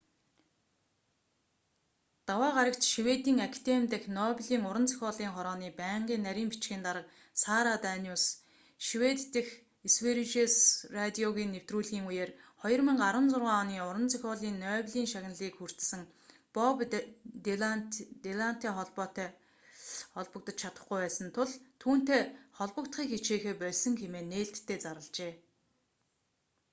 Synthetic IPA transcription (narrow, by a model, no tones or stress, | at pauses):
t̪awaːɢaɾə̆ktʃiwet̪iːŋakʰt̪emt̪ɘ̆xnɔpʲɮiːŋʊɾə̆nt͡sʰœ̥xʲɔːɮiːŋχɔɾɔːniːpæːɴɢiːnːæɾʲiːmpit͡ɕxiːnt̪aɾə̆q̚ | saːɾat̪æːnʲuːs | ʃiwet̪t̪ɘ̆x | esweɾit͡ɕesrat̪ʲiɔɣiːnːew̥t̪ruːɮɣiːŋujeːrχɔjɞ̆rmĕŋɢaɾə̆nt͡sʊrʁaːniːʊɾə̆nt͡sʰœxʲɔːɮiːnːœːɣɮiːŋʃaɣʲnə̆ɮiːkxur̥t̪sɘ̆ŋ | pɔp̪ | t̪eɮan̥t̪iːχɔɮpɔːt̪œː | χɔɮpə̆k̚t̪ə̆t͡ɕt͡ɕʰat̪ə̆χɡujpæːsə̆nt̪ʰʊɮt̪ʰuːn̥t̪eːχɔɮpə̆kt̪χiːkxet͡ɕeːxeːpœɮʲsə̆ŋxemeːnːeːɬt̪ʰːeːt͡saɾə̆ɮt͡ɕeː